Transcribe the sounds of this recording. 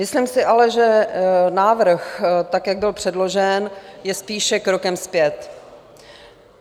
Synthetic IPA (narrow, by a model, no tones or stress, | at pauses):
mɪslimsɪʔalɛʒɛnaːvr̩xt̪akjaɡ̚bɪlpr̝̥ɛdlo̞ʒɛnjɛspiːʃɛkɾo̞kɛmspjɛt̪